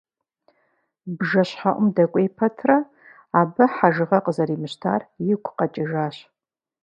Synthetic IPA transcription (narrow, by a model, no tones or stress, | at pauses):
bʒɐɕħaʔʷʊmdɐkʷʼejpʰɐtʰrɐ | aːbɐħaʒɨʁɐqʼəzɐɾiːmɨɕtʰa̰ːrjɪkʷʰʊqɐt͡ʃʼɪʒaːɕ